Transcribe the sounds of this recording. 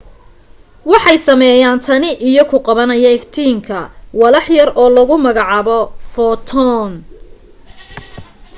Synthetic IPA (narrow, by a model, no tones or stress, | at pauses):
wɑħɑjsɐmɛːjaːnt̪ʰɐnɪʔijɔkʰʊqɑβɐnɐjɐɪft̪ʰiːŋkʰɐwɑlɑħjɐrɔːlɐɣʊmɐɣɑʕɑːβɔfɔt̪ʰɔːn